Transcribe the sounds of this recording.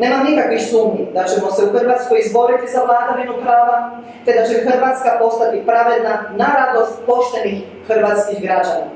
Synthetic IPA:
ne̞ːmamnikakʋixsuːmɲid̪at͡ʃemo̞se̞uxr̩ʋaːt̪skojizbo̞ɾet̪izaʋlˠaːd̪oʋinupɾaːʋa | t̪e̞d̪at͡ʃemxr̩ʋat̪skapo̞st̪at̪ipɾaʋe̞d̪nanaɾad̪lost̪̚po̞ʃt̪e̞nix | xɨr̩ʋaːt̪skixɡɾad͡ʑana̰

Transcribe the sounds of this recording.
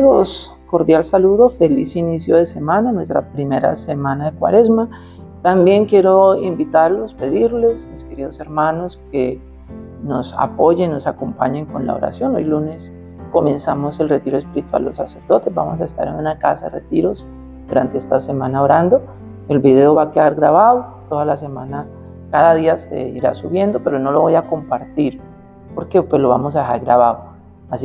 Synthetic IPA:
os | ko̞ɾd̪jalsaluðofe̞lisinisjoðe̞se̞mãnanwe̞st̪ɾa̰pɾimeɾa̰semãnaðe̞kwa̰ɾe̞zma | t̪ambje̞ŋkje̞ɾoimbit̪aɾlo̞spe̞ðiɾle̞smiske̞ɾið̞o̞se̞ɾmano̞ske | no̞sa̰po̞ʝenno̞sako̞mpaɲeŋko̞nla̰o̰ɾa̰sjo̞no̞̰jlune̞s | ko̞mẽ̞nsamo̞se̞lre̞t̪iɾoe̞spiɾit̪wa̰lːo̞sase̞ɾd̪o̞t̪e̞zba̰mo̞s̬aest̪a̰ɾe̞nunakasaðere̞t̪iɾo̞s | d̪uɾant̪eest̪asemãnaoɾand̪o̞ | e̞lbiðe̞oβakeðaɾɡɾaβaðot̪o̞ðalas̬e̞mana | kaðaðiasḛiɾa̰suβje̞nd̪o̞peɾo̞no̞lo̞βo̞jako̞mpaɾt̪iɾ | po̞ɾke̞pwe̞zlo̞βamos̬aðe̞xaɾɡɾaβaðo | asi

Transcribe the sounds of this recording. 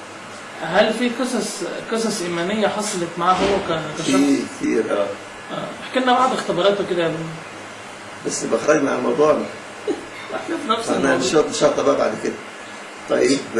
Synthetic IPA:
ɦælfiːqesɑsqesɑsʔiːmænejːæħɑsˤɑlet̪maʕaːɦowːækækæʃæikt̪ʰḭːɾʔæː | ʔæ̰ːaħkenːæbɑʕd̪ext̪ebɑɾˤɑːt̪oked̪æjmin | bæsːbæxɾˤɑɡmaʕalmɑwd̪ˤuːʕn | waħnæfnæfsænæʃob̪ʃɑt̪ˤɑbæba̰ʕd̪ked̪æ | t̪ˤɑjːeb

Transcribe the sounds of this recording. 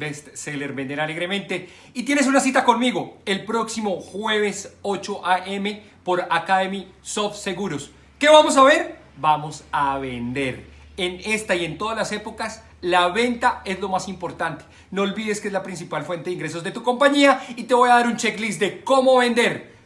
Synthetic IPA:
ɾest̪seleɾbend̪eɾale̞ɣɾe̞mẽ̞nt̪e̞ | it̪je̞nes̬unasit̪ako̞nmiɣo̞e̞lpɾo̞ksimo̞xwe̞β̞e̞sot͡ʃo̞ʔaʔeme̞ | po̞ɾakaðemisofse̞ɣuɾos | ke̞βamo̞s̬aβe̞ɾ | bamo̞saβend̪e̞ɾ | ene̞st̪aie̞nt̪o̞ðazlase̞po̞kas | laβe̞nt̪ae̞zlo̞masimpo̞ɾt̪ant̪e̥ | no̞ːlβiðe̞skezlapɾins̬ipalfwe̞nt̪eiŋɡɾe̞s̬o̞zd̪e̞t̪uko̞mpaɲiait̪e̞βo̞jaðaɾunt͡ʃe̞klisd̪eko̞mo̞βe̞nd̪e̞ɾ

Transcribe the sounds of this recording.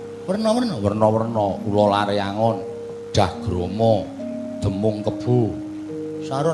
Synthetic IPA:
wərnɔwərnɔwərnɔwərnɔulɔlaɾeaŋɔn | ɖ̥ahɡ̥ɾɔmɔ | d̪̥ə̤mʊŋkəb̥u | saɾɔ

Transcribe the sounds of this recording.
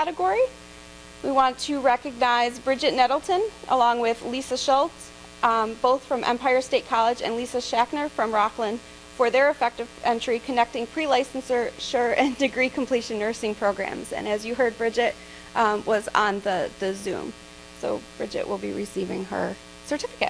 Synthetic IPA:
æɾɨɡɔɹi | wiwɑ̃ntʰɨɹɛkɨɡ̚naɪzbɹɪd͡ʒɨtⁿnɛɾl̩ˠtʰɨ̃nʔə̰lɔ̃ŋwɪðlisɨʃɔlˠts | b̥oʊθfɹʌ̃mʔɛ̰̃mpʰaɪə˞steɪt̚kʰɑlˠəd͡ʒɨ̰̃nlisɨʃæknə˞fɹʌ̃mɹɑklə̃n | fə˞ðə˞ɨfɛk̚tɨv̥ɛ̃nt͡ʃɹ̥ikʰɨnɛk̚tɪ̃ŋpʰɹ̥ilaɪsn̩sə˞ʃə˞ɨ̃ndɨɡɹikʰm̩pʰl̥iʃɨ̃nːɜ˞sɪ̃ŋpʰɹ̥oʊɡɹæ̰̃mzɨ̰̃nɨzjɨɦɜ˞d̚bɹɪd͡ʒɪt̚ | ʔwʌz̃n̩ðɨðɨzʉ̰̃m | soʊb̥ɹɪ̰d͡ʒɨ̰ʔwʔɪ̰lˠbḭɹɨsivɪ̃ŋə̰˞ | sə˞tʰɪfɨ̥kɨ̰t̚

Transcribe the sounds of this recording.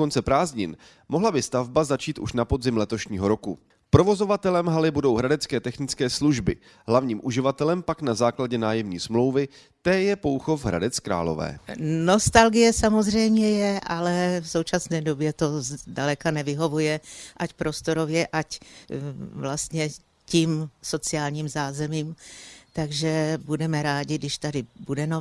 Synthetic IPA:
ont͡sɛpɾaːzɲɪn | moɦlabɪst̪avbazat͡ʃiːt̪ʔṵʃnapo̞zɪmlɛt̪o̞ʃɲiːɦo̞ɾo̞ku | pɾo̞vo̞zo̞vat̪ɛlɛmɦalɪbudo̞wɦɾadɛt͡skɛːt̪ɛxnɪt͡skɛːsluʒbɪ̰ | ɦlavɲiːmʔuʒɪvat̪ɛlɛmpaknazaːklaɟɛnaːjɛmɲiːsmlo̞wvɪ | t̪ɛːjɛpo̞wxo̞fɦɾa̰dɛt͡skɾa̰ːlo̞̰vɛ̰ːno̞st̪alɡɪjɛsamo̞zr̝ɛjmɲɛjɛʔalɛfso̞wt͡ʃasnɛːdo̞bjɛt̪o̞zdalɛkanɛvɪɦo̞vujɛʔacpɾo̞st̪o̞ɾovjɛʔac | vlast̪ɲɛ | cimso̞t͡sɪaːlɲiːmzaːzɛmiːmt̪aɡʒɛbudɛmɛɾaːɟɪɡdɪʃt̪adɪbudɛnɛ

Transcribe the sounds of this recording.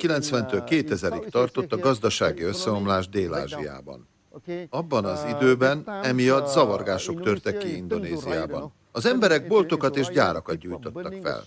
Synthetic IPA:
kilɛnt̪sʋɛnt̪øːlkeːt̪ɛzɛɾikt̪ɒrt̪o̞t̪ːɒɡɒzd̪ɒʃaːɡiøsːɛo̞mlaːʒd̪eːla̰ːʒija̰ːbɒ̰n | ɒbːɒnɒzid̪øːbɛnɛmijɒd̪zɒvɒrɡaːʃo̞kt̪ørt̪ɛkːiind̪o̞neːzijaːbɒ̰n | ɒzɛmbɛɾɛɡ̚bo̞lt̪o̞kɒt̪eːʒɟaːɾɒkɒd̪̚ɟuːjt̪o̞t̪ːɒkfɛ̰l

